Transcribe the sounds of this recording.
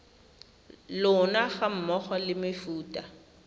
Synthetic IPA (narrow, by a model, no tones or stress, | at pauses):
lʊnaɣam̩mɔχɔlɪmɪfuːtʼa